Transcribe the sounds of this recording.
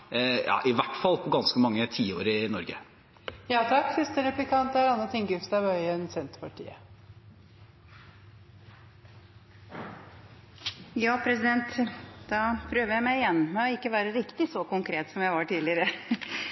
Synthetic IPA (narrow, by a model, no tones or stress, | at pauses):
jɑ̰ːʔɪʋæʈfɑlːpʰɔɡɑnskəmɑŋːət̪ʰiːoːɾɪnɔɾɡə̰ | jɑːt̪ʰɑkːsɪst̪əɾɛplɪkʰɑnt̪æɾɑnːət̪ʰɪŋɡʉfst̪ɑʋœʏənsɛnt̪pʰɑʈʰḭːə̰ | jɑːpʰɾɛsɪd̪ɛnt̪d̪ɑpʰɾøːʋəjæɪmæɪjɛnːmɛɔɪkːəʋæːɾəɾɪkt̪ɪsɔkʊŋkʰɾeːt̪sɔmjæɪʋɑʈiːlɪəɾə